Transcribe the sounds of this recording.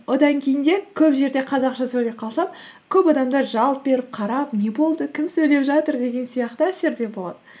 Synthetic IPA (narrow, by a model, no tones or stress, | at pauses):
wo̞d̪ɑŋkʲʰe̞jɪnd̪e̞kʲʰɵpʒe̞ɾd̪e̞qʰɑzɑqʃɑsɵjle̞p̚qʰɑlˠsɑpkʲʰɵpɑd̪ɑmd̪ɑɾʒɑlˠt̪̚be̞ɾɪp̚qʰɑɾɑpne̞bo̞lˠd̪əkʲʰɪmsɵjle̞pʒɑt̪əɾd̪e̞ɡʲe̞nsijɑqt̪əæse̞ɾd̪e̞bo̞lˠɑ̰d̪ə